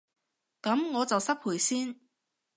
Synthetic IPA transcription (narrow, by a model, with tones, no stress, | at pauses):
kɐ˨˥mŋɔː˨˧t͡sɐ˨wsɐ˥pʰuː˨˩jsiː˥n